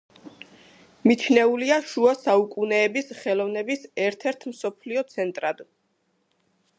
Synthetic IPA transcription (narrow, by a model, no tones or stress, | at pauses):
mit͡ʃʰnɛuliaʃuasaukʼunɛːbisχɛlˠɔvnɛbisɛɾt̪ʰɛɾt̪ʰmsɔpʰliɔt̪sʰɛnt̪ʼɾad̪